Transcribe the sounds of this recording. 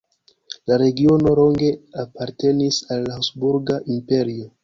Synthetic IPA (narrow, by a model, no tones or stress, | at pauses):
laɾe̞ɡio̞no̞lo̞ŋɡe̞apaɾte̞nisalːahosbuɾɡaʔimpe̞ɾio̞